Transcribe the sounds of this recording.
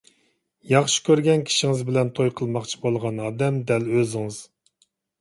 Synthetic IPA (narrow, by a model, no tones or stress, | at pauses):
jɑχʃi̥kʲøɾɡʲɛnkʲʰi̥ʃiŋɪzbɪlɛnt̪ʰojqʰəlˠmɑqt͡ʃʰi̥bolˠʁɑnɑːd̪ɛmd̪ɛløzɪŋɨz̥